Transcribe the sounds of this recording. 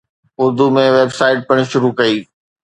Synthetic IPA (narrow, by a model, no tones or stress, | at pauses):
ʊɾd̪umẽʋeːbsaːɪʈ̚pɐɽ̃̆ʃʊɾukɐiː